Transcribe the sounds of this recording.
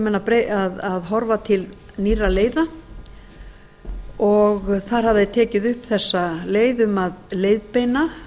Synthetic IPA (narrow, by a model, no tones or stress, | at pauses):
mɛnːapɾeaðaðɦɔɾvat̪ʰɪl | niraleːjða | ɔɣθaɾ̥havðat̪ʰɛːcɪðʏhpθɛsːaleːjðʏmaðleːjðpejna